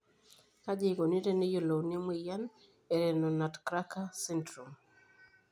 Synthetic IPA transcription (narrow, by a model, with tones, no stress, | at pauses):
ka˦d͡ʒi˦ɡo˨ni˦ɾe˦nɪ˦jo˨lo˨wne˦mi˦˨ja˦n | e˨ɾɛ˨nɔ˨na˨tkɾa˦ka˦si˦ntɾu˨m